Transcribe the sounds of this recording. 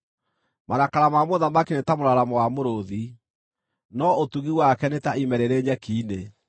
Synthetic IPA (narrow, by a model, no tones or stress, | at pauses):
manakaɾamamoðamakinetamoɾaɾamowamoɾoði | nɔotuɣiwakɛnetaimɛɾeɾeɲɛkiːne